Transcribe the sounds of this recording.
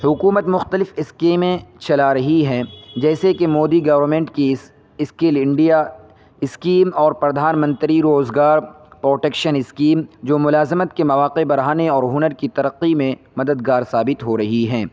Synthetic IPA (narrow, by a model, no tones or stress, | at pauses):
hʊkuːmət̪mʊxt̪əlɪfɪskeːmẽt͡ʃɐlaɾɐɦiɦɛ̃ːd͡ʒɛːsekemoːd̪iɡɐʋəɾmẽːɳʈki | ɪskelɪ̃ɳɖija | ɪskiːmɔːɾpɾɐd̪ʱaːnmə̃nt̪ɾiɾoːzɡaːɾ | pɾoːʈeːkʃənɪskiːmd͡ʒoːmʊlaːzɪmət̪kemɐʋaːqebɐɾaːneɔːɾɦʊnəɾkit̪ɐɾəqːimẽmɐd̪əd̪ɡaːɾsaːbɪt̪ɦoɾɐɦiɦɛ̃ː